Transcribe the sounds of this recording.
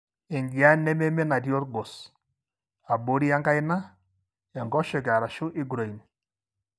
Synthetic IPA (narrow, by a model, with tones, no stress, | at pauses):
ɪ˨ŋɡi˨a˦nɛ˦mɛ˦mɛ˦na˨djo˦ɾɡɔ˨s | a˨bo˨˦ɾi˦a˦ŋɡa˦ɪ˦na˦ | ɛ˨ŋɡɔ˦ʃɔ˨ka˨ɾa˨ʃʊ˦ʔɪ˦ɡɾo˨i˨n